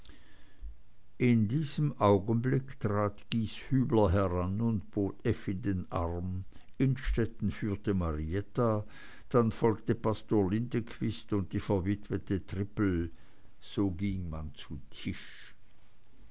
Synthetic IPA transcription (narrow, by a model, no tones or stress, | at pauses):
ʔɪndiːzəmʔaʊɡənblɪktʁ̥aːtɡ̥iːshyːblɐɦɛʁanʊntb̥oːtʰɛfɪndenʔa̰ʁmʔɪnʃtɛtn̩fyːɐtəmaʁiɛta | d̥anfɔlktəpʰastoːɐlɪntəkʰv̥ɪstʊnt̚d̥iːfɛɐvɪtʰvətətʁ̥ɪpl̩ | z̥oːɡɪŋmant͡sutʰɪʃ